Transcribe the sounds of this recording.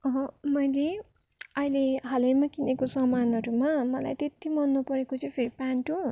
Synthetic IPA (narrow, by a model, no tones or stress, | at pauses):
ʌɦʌ̃mʌjle | ʌileɦʌlʌjmakinekosʌmanʌɾumamʌla̰jt̪et̪ːimʌnːupʌɾekot͡sʰʌ̃pʰeɾipaɳʈu